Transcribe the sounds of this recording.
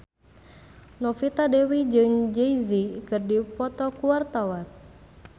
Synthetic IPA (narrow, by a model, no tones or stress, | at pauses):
nɔfit̪adewid͡ʒɨŋd͡ʒɛizikɨrdipɔt̪ɔkuwart̪awat̪̚